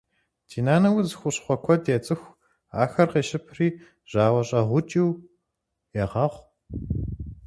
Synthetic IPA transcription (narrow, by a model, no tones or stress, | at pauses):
tʰiːnaːnɐwzɨxʷʊɕχʷɔkʷʰɔdjɛt͡sʼɨxʷ | a̰ːxɐrqeːɕɪpʰriː | ʑ̥aːwɐɕʼɐʁʷʊt͡ʃʼiw | jɛʁɐʁʷ